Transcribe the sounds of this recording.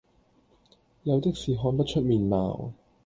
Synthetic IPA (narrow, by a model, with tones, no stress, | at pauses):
jɐ˨˧wt̪ɪ˥k̚siː˨˩ɦɔː˧npɐ˥t̚t͡ʃʰɵ˥t̚miː˨nma̰ː˨w